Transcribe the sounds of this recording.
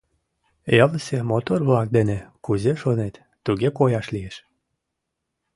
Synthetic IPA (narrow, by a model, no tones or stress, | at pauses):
elsʲemot̪orβlɑk̚d̪enekuzeʃonet̪ːuɣekojɑʃlieʃ